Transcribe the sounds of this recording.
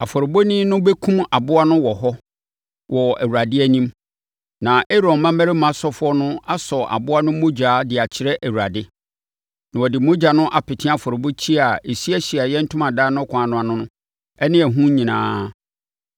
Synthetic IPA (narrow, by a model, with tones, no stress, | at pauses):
a˨fɔ˨ɾo˨bo˦nĩ˦nʊ̃˦bɛ˦kʰũ˦ma˨bʊ˦a˦nʊ̃˦wɔ˨ɦɔ˦ | wʔɔ˨æ˨wu˨ɾa˨dɪ˦æ˦nĩ˦m | nã˨ʔe˦ɾɔ̃˨n˦mã˦mæ˦ɾɪ˦mã˨sɔ˦fʊ˦ɔ˦nʊ̃˦a˦sɔ˨a̰˨bʊ˦a˦nʊ̃˦mo˦d͡ʑᶣaː˨˦dɪ˨a˨t͡ɕʰɪ˨ɾɛ˦ʔæ˨wu˨ɾa˨dɪ˦ | nã˨ɔ˨dɪ˨mo˦d͡ʑa˨nʊ̃˦ʔa˨pɪ˨tʰɪ̃˦a˦˨fɔ˨ɾo˨bo˦t͡ɕʰi˦a˨e˨si˦æ˦ɕi˨a˨jɛ˦n̩˦tʰʊ̃˦mã˨daː˦nʊ̃˦kʰʊ̃˨a˨nʊ̃˦a˨nʊ̃˦nʊ̃˦ | ɛ˦nɪ̃˦ɛ˨ɦũ˦ɲĩ˨nã̰ː˦